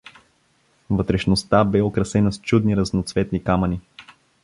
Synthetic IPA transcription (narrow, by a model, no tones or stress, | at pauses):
vət̪ɾɛʃnost̪abɛokɾɐsɛnəst͡ʃud̪niɾəznot̪svɛt̪nikaməni